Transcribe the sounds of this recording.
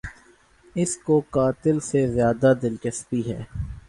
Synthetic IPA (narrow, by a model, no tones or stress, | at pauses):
ɪskokaːt̪ɪlsezjaːd̪ad̪ɪlt͡ʃəspiɦɛ̰ː